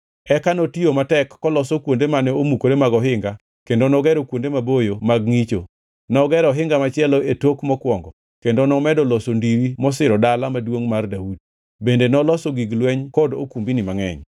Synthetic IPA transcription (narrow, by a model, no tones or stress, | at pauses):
ɛkanɔtiomatɛkːɔlɔsɔkwondemanɛomukoɾemaɡɔɦɪŋɡa | kendonɔɡɛɾokwondemabojomaɡ̚ŋit͡ʃo | nɔɡɛɾɔɦɪŋɡamat͡ʃɪɛlɔetokmɔkwɔŋɡɔ | kendonɔmɛdɔlɔsondiɾimɔs̬ɪɾɔdalamadwoŋmardaud̚ | bendenɔlɔsɔɡiɡlwɛɲkɔdo̰kumbinɪmaŋɛ̰ɲ